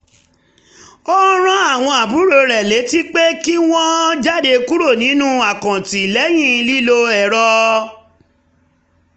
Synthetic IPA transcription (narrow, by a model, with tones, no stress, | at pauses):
o˦ɾ̃ã˦a˦˨w̃ɔ̃˧a˨bu˨˦ɾo˧ɾɛ˨le˨˦ti˦k͡pe˦ki˦w̃ɔ̃˦d͡ʒa˦˨de˧ku˦ɾo˦˨nĩ˨˦nũ˦a˦˨kã˨ti˨lɛ˨˦j̃ĩ˦˨˧li˦lo˧ɛ˨ɾɔ˧